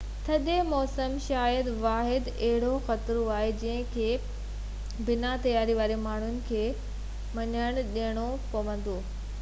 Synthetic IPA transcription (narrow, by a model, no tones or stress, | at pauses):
t̪ʰɐɗemɔːsəmʃaːjəd̪ʋaːɦɪd̪ɐɦɪɽ̤oxɐt̪ɾoaːɦed͡ʑɐ̃ɦɪ̃kʰeː | bɪnat̪ɐjaːɾiʋaːɾimaːɳ̤ʊnɪ̆kʰeː | mɐɲəɽ̃ɗiəɽ̃opɐʋə̃n̆d̪oː